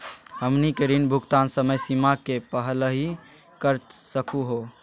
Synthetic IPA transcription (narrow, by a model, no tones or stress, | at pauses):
həmnikeɾinbʱukt̪ansəməjsimakepəɦələɦi | kəɾsəkuɦo